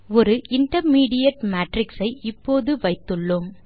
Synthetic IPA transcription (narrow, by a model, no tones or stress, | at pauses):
ɔɾɯʔɪɳʈɐɾmiːɽɪjɐʈmaːʈrɪksɐɪɪpːoːðɯʋɐɪt̪ːɯɭːɯm